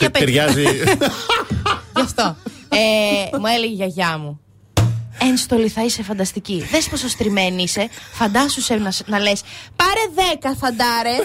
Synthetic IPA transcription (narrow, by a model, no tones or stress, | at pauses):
ɐpeeɾʝɐzi | ʝɐft̪oemueleʝeʝɐʝɐmu | enst̪o̞liθɐisefɐnd̪ɐst̪iciðespos̬ost̪ɾime̞niise̞fɐnd̪ɐsusenɐsnɐle̞spɐɾe̞ðe̞kɐθɐnd̪ɐɾe